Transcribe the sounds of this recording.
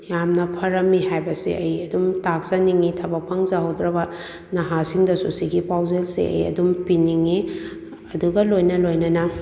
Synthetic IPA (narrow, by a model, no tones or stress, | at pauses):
jamnɐpʰɐɾɐmːiɦajbɐsḭʔɐjɐdumtak̚saniŋitʰɐbɐk̚pʰɐŋzahɐwdɾɐbɐ | nɐɦasiŋdɐsusiɡipawzelsḛɐ̰jɐ̰dumpiniŋi | ɐduɡɐlojnɐlojnɐnɐ